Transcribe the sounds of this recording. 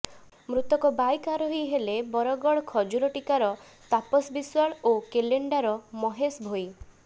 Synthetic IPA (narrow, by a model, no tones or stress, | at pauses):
mɾut̪ɔkɔbajkaɾɔɦojɦelebɔɾɔɡɔɭɔkʰɔd͡ʒuɾɔʈikaɾɔ | t̪apɔsbiswaɭokeleɳɖaɾɔmɔɦesbʱoj